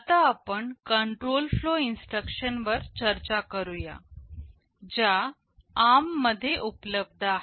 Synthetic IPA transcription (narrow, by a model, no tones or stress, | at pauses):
t̪aːpəɳkəɳʈɾolfloinsʈɾəkɕənʋəɾt͡ɕəɾt͡ɕakəɾuja̰ | d͡ʑa | amːəd̪ʱːjeʔupləb̚d̪ʱa